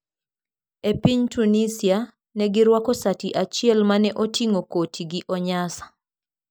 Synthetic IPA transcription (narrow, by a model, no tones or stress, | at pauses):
epiɲtunisia | nɛɡɪɾwakɔsatiʔat͡ʃɪɛlmanɛʔotiŋokotʰiɡiʔɔɲasḁ